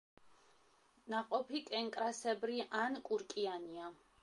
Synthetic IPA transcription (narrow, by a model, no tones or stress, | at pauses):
naqʼɔpʰikʼɛŋkʼɾasɛbɾiʔankʼuɾkʼiania